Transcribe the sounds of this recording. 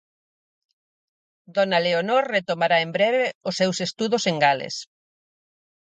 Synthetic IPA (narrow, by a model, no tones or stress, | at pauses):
d̪ɔnaleonoɾret̪omaɾaembɾɛβeʊsːewsest̪uðʊseŋɡalḛs